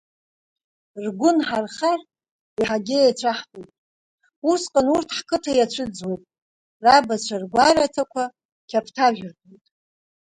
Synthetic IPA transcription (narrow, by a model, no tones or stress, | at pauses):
rɡʷʊnħarχar | iħaɡʲejat͡ɕʷʰaħpʼojtʼ | usqʼanurtʰħkʰɨtʰajat͡ɕʷʰɨd͡zwejtʼ | rabat͡ɕʷʰarɡʷaɾatʰakʷʰa | kʲʰapʰtʰaʒᶣʷrbʼojtʼ